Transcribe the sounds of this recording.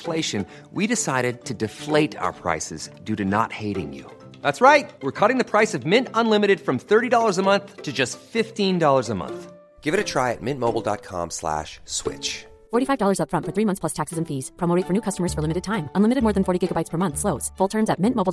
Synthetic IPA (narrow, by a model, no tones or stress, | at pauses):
fleɪʃɨ̃n | widɨsaɪɾɨd̚tʰɨdɨfleɪɾa̰ʊə̰˞pʰɹ̥a̰ɪsɨzdʉɾɨnə̰t̚heɪɾɪ̰̃ŋjʉ̰ | ðætsɹaɪt̚wɪɹkʰʌɾɪ̃ŋðɨpʰɹ̥aɪsʌvmɪ̃ntə̃nlɪ̃mɨɾɨd̥fɹʌ̃mθɜ˞ɾidɔlˠə˞zəmʌ̃nθtʰɨd͡ʒʌstfɪftĩndɔlˠə˞zəmʌ̰̃nθ | ɡ̥ɪvɨɾɨtʰɹ̥aɪɨ̰t̚mɪ̃nmoʊbl̩ˠdɑ̰t̚kʰɑ̰̃mslæ̰ʃswɪ̰t͡ʃ | fɔɹɾifaɪvdɔlˠə˞zʌpfɹʌ̃ntfə˞θɹimʌ̃nθspl̥ʌstʰæksɨzɨ̃n̩fiz̥pʰɹ̥omoʊɾɪtfə˞nʉkʰʌstəmə˞z̥fə˞lɪ̃mɨɾɨd̚tʰãɪ̃mʔə̃nlɪ̃mɨɾɨd̚mɔɹð̃nfɔɹɾiɡɪɡəbaɪtspʰə˞mʌ̃nθsloʊz̥fʊlˠtʰɜ̃˞mzɨt̚mɪ̃nmoʊbl̩ˠ